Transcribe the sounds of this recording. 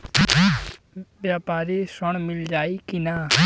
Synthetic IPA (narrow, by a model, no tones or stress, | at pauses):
bjaːpaːɾiːsəɳmɪld͡ʒaːiːkɪnaː